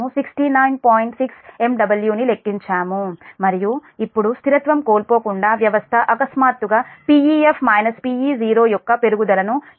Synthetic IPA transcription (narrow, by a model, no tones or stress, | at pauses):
usiksʈiːnaːjnpoːjiɳʈsikse̞mɖɐbɐljuːnile̞kːiɲt͡ʃaːmumɐɾijuipːuɽust̪ʰiɾɐt̪ʋɐmkoːlpo̞ːkuɳɖaːʋjɐʋɐst̪ʰɐʔɐkɐsmaːt̪uɡaːpiːiːepʰmɐjnɐspiːiːd͡ʒiːɾo̞ːjɔkːɐpe̞ɾuɡud̪ɐlɐnu